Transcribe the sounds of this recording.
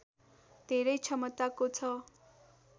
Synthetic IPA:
d̪̥ʱeɾʌjt͡sʰʌmʌt̪akot͡sʰʌ

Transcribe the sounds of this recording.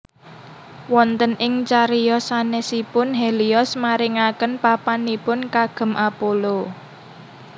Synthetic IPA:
wɔnt̪ənɪŋt͡ʃaɾijɔsanesipʊnɦeliɔsmaɾɪŋakənpapanipʊnkaɡ̥ə̤mʔapolo

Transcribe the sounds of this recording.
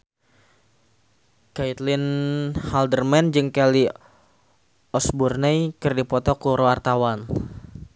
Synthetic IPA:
kait̪linhaldərmɛnd͡ʒɨŋkali | ɔsburnajkɨrdipɔt̪ɔkuɾwart̪awan

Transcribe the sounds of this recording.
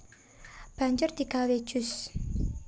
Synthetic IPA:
b̥a̤ɲd͡ʒʊrd̪̥i̤kawe̥ʒ̥ʊs

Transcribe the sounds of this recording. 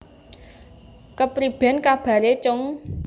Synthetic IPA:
kəpɾib̥ɛ̤nkab̥a̤ɾet͡ʃʊŋ

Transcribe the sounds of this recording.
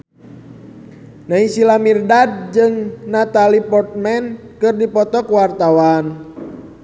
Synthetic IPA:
naisilamirdad̚d͡ʒɨŋnat̪alipɔrt̪̚mɛn | kɨrdipɔt̪ɔkuwart̪awan

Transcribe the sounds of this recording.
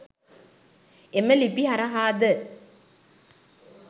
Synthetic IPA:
eməlipiɦaɾaɦaːd̪ə

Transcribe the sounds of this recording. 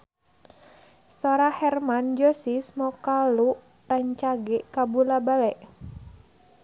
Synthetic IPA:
sɔɾahɛrmand͡ʒɔsismɔkaluʔ | raɲt͡ʃaɡɛʔkabulabalɛʔ

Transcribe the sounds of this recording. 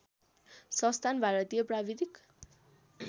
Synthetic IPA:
sʌ̃st̪ʰanbʱaɾʌt̪ijʌprabid̪ik

